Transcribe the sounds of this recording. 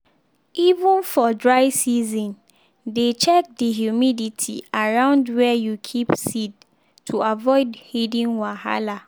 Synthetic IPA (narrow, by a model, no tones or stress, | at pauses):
ivə̃nfɔdɹaɪsizɔ̃n | det͡ʃɛk̚diɦjumiditʰḭaɹãʊ̃ndwɛjukʰipsid | tʰuavɔɪdhidĩnwaha̰la